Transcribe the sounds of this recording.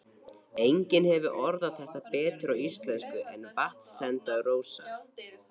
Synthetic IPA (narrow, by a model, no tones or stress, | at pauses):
ejɲcɪnhɛvʏʔɔɾðaðθɛht̪apɛːt̪ʏɾawist̪lɛnskʏʔɛnvaht̪sɛnt̪aðroːwsa̰